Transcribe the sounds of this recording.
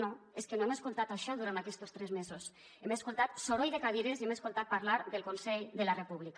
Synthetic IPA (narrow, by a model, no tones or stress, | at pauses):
noeskenoemeskulˠt̪at̪aʃɔðuɾant̪akɛst̪ost̪ɾɛzmezos | emeskulˠt̪at̪soɾojðekaβiɾeziemeskolˠt̪at̪̚paɾlaɾðelˠkonsɛʎðelarepuβlika